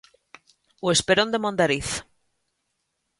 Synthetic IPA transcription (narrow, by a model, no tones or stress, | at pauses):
wespeɾond̪emond̪aɾiθ